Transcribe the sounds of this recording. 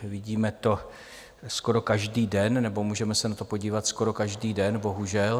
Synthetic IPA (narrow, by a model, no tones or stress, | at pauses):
vɪɟiːmɛt̪o̞ | sko̞ɾo̞kaʒdiːdɛnnɛbo̞muːʒɛmɛsɛnat̪o̞po̞ɟiːvat̪sko̞ɾo̞kaʒdiːdɛnbo̞ɦuʒɛl